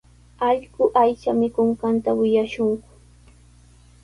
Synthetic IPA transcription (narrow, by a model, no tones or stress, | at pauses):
ɑʎɢʊʔajt͡ʃamɪkʊɴɢɑnt̪awɪjaʃʊŋkʊ̥